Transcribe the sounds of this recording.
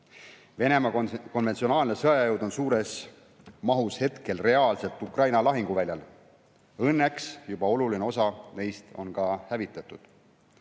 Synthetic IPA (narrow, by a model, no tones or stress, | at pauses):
ve̞ne̞mɑko̞nvet̪sio̞nɑːlnesɤɑjɑjɤwd̪o̞nsuːɾe̞s | mɑɦushe̞t̪ke̞lre̞ɑːlse̞lt̪ːˑukrɑjnɑlɑɦiŋɡ̥uvælʲjɑl | ɤnːe̞ksjub̥ɑo̞lulineo̞sɑne̞jst̪o̞̰nkɑhævit̪ːˑɑt̪ːˑud̪̥